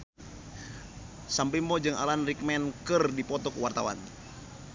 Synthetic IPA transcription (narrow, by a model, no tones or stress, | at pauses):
sambimɔd͡ʒɨŋa̰lanrik̚mɛnkɨrdipɔt̪ɔkuwart̪awa̰n